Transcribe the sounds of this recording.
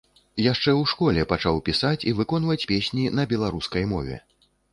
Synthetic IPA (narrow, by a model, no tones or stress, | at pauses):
jaʂt͡ʂɛwʂkɔlʲɛpat͡ʂawpʲisat͡sʲivɨkɔnvɐt͡sʲpʲesʲnʲinɐbʲɛlˠaɾuskɐjmɔvʲɛ̰